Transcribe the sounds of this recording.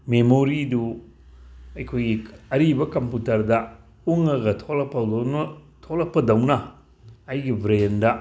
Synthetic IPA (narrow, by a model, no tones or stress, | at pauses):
memoɾidu | ɐjkʰojɡiɐɾibɐkɐmputɐɾdɐ | uŋɐɡɐtʰolɐpʰːɐ | tʰolɐpːɐdɐwnɐː | jɡibʱɾendɐ